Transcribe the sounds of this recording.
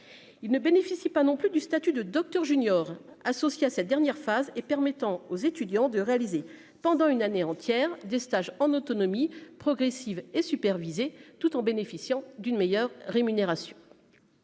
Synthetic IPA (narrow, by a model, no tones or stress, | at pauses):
ilnəbenefisipanɔ̃plyd̪yst̪at̪yd̪əd̪ɔk̚t̪œʁʒynjɔʁasɔsjeasɛt̪̚d̪ɛʁnjɛʁfazepɛʁmɛt̪ɑ̃ozet̪yd̪jɑ̃d̪əʁealize | pɑ̃d̪ɑ̃ynaneɑ̃t̪jɛʁd̪est̪aʒɑ̃not̪ɔnɔmipχɔɡʁesivesypɛʁvizet̪ut̪ɑ̃benefisjɑ̃d̪ynmejœʁːemyneʁasjɔ̃